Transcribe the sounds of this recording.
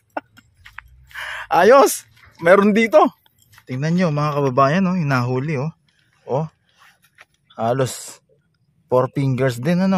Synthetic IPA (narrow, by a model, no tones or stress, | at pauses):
ʔaːjo̞s | mɛːɾond̪iːt̪o̞ | t̪ɪŋnɐnɲomɐŋakɐbɐbaːjɐnoɪnaɦuːlɪo | ʔo | haːlo̞s | poɾpiŋɡɛɹsd̪ɪnɐno̞